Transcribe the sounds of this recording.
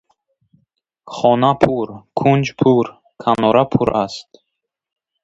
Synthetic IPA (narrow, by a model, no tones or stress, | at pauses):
χɔnapʰuɾkʰund͡ʒpʰuɾ | kʰanɔɾapʰuɾast̪